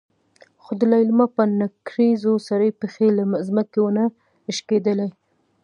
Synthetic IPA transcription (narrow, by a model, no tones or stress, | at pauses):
xod̪əlaɪlmapənakɾizosaɾəjpexelamzməkewna | ɪʃked̪əlaj